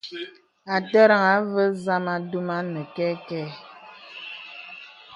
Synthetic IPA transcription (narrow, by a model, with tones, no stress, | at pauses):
a˨tə˦ɾa˨ŋa˨˦və˦za˦ma˦du˦ma˦nə˨kɛ˦kɛ˦